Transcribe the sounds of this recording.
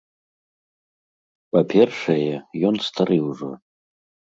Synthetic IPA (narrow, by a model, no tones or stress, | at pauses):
pʼapʰerʂejɛjonst̪ʰaɾɨuʐo̰